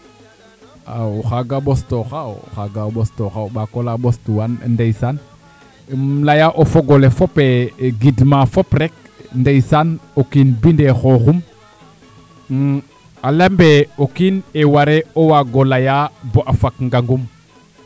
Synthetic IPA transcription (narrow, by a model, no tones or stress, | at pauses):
awuxaɡaɓostoxawxaɡaɓostoxawɓakolaɓostuwan̰ndejsan | lajaʔofoɡolefopeɡidmafopɾek̚ | ndejsanokinbindexoxum | alembeokinewaɾeowaɡolajaboʔafakŋɡaŋɡum